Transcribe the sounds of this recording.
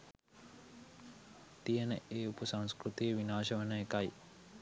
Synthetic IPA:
t̪ijənəeːupəsaŋskrut̪ijəʋinaːʃɐʋɐnəekɐj

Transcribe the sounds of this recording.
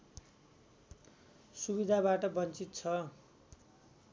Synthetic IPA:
subid̪ʱabaʈʌbʌnt͡sit̪t͡sʰʌ

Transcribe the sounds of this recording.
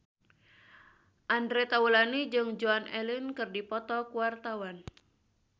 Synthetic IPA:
ʔandɾet̪aulanid͡ʒɨŋd͡ʒuanɛlɪnkɨrdipɔt̪ɔkuwart̪awan

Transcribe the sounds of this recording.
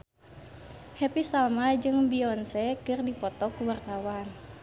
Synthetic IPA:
hɛpisalmad͡ʒɨŋbiɔnsɛkɨrdipɔt̪ɔkuwart̪awan

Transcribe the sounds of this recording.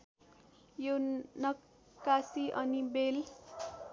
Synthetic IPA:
jonʌ | kːasiʔʌnibel

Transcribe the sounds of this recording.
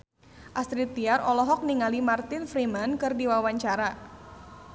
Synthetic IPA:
ʔast̪ɾit̪iaɾɔlɔɦɔk̚niŋalimart̪ɪnfɾimankɨrdiwawaɲt͡ʃaɾa

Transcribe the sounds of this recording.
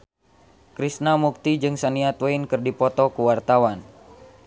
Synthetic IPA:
kɾisnamuk̚t̪id͡ʒɨŋsaniat̪weinkɨrdipɔt̪ɔkuwart̪awan

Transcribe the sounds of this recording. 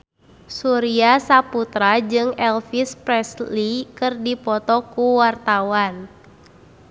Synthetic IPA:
suɾiasaput̪ɾad͡ʒɨŋɛlfispɾɛslikɨrdipɔt̪ɔkuwart̪awan

